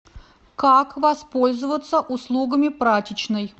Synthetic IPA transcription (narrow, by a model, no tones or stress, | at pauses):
kakvɐspo̞lʲzəvət̪səʔʊslˠuɡəmʲɪpɾatʲɪt͡ɕnəj